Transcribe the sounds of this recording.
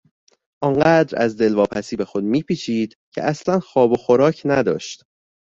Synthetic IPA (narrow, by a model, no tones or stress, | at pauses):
ʔɒːŋɢæːd̪ɾæ̰zd̪e̞lvɒːpʰæsiːbe̞xo̞d̪̚miːpʰiːt͡ʃʰiːd̪̥cʰḛʔæslænxɒːbo̞xo̞ɾɒːcʰnæd̪ɒ̰ːʃt̪